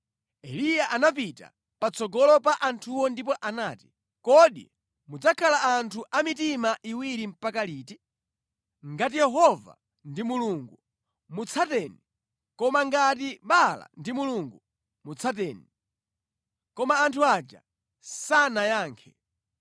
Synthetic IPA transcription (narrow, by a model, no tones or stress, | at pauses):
ɛlijaʔanapita̰ | pat͡sɔɡɔlɔpaʔantʰuwɔndip̬ɔʔanaːti̥ | kɔɗḭ | mud͡zakʰalaantʰuʔamitimaʔiwiɾim̩pakaliːti | ŋɡat̬ijɛɦɔva̰ | ndimuluːŋɡu | mut͡sʰatɛni | kɔmaŋɡat̬iɓala̰ndimuluŋɡu | mut͡sʰatɛːni | kɔmaːntʰuad͡ʒa̰ | sanajaːŋkʰɛ